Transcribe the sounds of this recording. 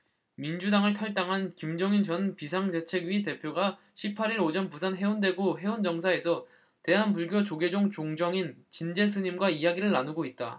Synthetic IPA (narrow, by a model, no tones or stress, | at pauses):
mind͡ʑudaŋɯɭtʰʌɭt͈aŋɦankimd͡ʑʌŋint͡ɕʌnpisʰaŋde̞t͡ɕʰe̞ɡɥite̞pʰjoɡa | ɕʰipʰaɾiɾod͡ʑʌnpusʰanɦe̞unde̞ɡoɦe̞und͡ʑʌŋs̬ʰae̞sʰʌ | te̞ɦanpuɭɡjot͡ɕoɡe̞d͡ʑoŋt͡ɕoŋd͡ʑʌŋint͡ɕind͡ʑe̞s̬ʰɯɲimɡwaijaɡiɾɯɭːanuɡoit̚t͈a̰